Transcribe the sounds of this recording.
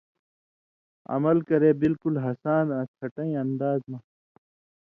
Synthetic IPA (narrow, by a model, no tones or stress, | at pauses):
ɐ̰mɐlkɐɾeːbilkulɦɐsaːnãːtʰɐʈɐ̃ĩɐ̃nd̪aːzmã